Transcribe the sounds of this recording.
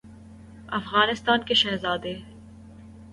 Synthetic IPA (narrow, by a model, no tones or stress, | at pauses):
ɐfɣaːnɪst̪aːnkeʃɛːɦzaːd̪eː